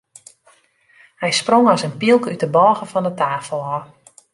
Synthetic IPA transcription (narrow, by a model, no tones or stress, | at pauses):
hɛjsproŋɔsənpilˠkyt̚dəbɔːɣəfɔndətaːfəlˠɔ